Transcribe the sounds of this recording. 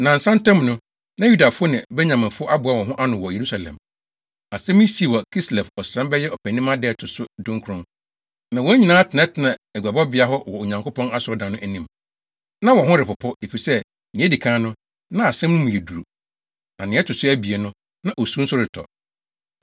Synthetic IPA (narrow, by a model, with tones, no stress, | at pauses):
nã˨n̩˨sã˦n˦tɛ̃˦mnʊ̃˦ | nã˦ju˦da˨fʊ˦ɔ˦nɪ̃˨bɛ˦ɲã˨mɪ̃˨fʊ˦ɔ˦ʔa˦bʊ˨˦a˦wɔ̃˨ɦʊ̃˦ʔa˦nʊ̃˨wɔ˨je˨ɾu˦sa˨lɛ̰̃˨m | a˨sɛ̃˦mĩ˦si˨e˨wɔ˨kʰi˦slɛ˨fɔ˨sɾã˦mbɛ˦jɛ˦ʔɔ˨pʰæ˨nĩ˦mã˦dɛ˦˨tʰʊ˨sʊ˦dʊ̃˦ŋ˦kʰʊ˨ɾʊ̃˦ | nã˨wɔ˦ɲĩ˨nãː˨˦tʰɪ˨nɛ̃˦tʰɪ˨nã˨æ˨ɡʷa˨bɔ˦bɪ˨˦a˦ɦɔ˦wɔ˨o˨ɲã˨ŋkʰʊ˦pʰɔ̃˦na˦sʊ˨ɔ˦dã˨nʊ̃˦ʔæ˨nĩ˦m | nã˦wɔ̃˨ɦʊ̃˦ɾɪ˨pʊ˨pʰɔ˦e˨fi˨sɛ˦ | nɪ̃˨˦e˦di˨kʰãː˦nʊ̃˦ | nã˦a˨sɛ̃˦mnʊ̃˦mũ˨je˨du˨ɾu˨ | nã˨nɪ̃˨˦ɛ˦tʰʊ˨sʊ˦æ˦bi˨e˨nʊ̃˦ | nã˨ʔo˨sũ˦n̩˦sʊ˦ɾɪ˨tʰɔ̰˨